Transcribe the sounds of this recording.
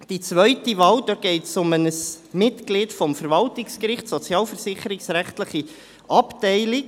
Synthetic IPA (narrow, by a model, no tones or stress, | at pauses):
d̥it͡sʋœʏtiʋɑːld̪ɔɡ̥ɛɪtsʊmənəs | mɪtklɪːtfɔmfəɾʋɑltɪkskɾɪχtsɔt͡sjɑːlfəɾsɪχəɾɪksɾæχtləχi | ʔɑptɛɪlɪk